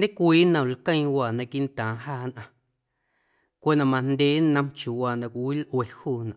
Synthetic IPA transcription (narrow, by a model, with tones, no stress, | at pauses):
nd̪ẽ˦kʷiː˦nə̃˨lkə̃˦˧j̃waː˨nã˧ki˦ʔn˦t̪ãː˨ɦaː˦˧˨nʔã˧ | kʷe˦˨nã˨mã˧nd̪ʲe˦nə̃˧mt͡ʃju˨waː˨nã˧˨kʷi˨wi˦lʔwe˨huː˦˨nã̰˨ʔ